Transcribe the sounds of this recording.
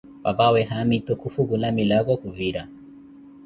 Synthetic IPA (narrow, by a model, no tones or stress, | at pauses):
wabawɛɦamitɔkufuɣulamilaɣɔkuviɾa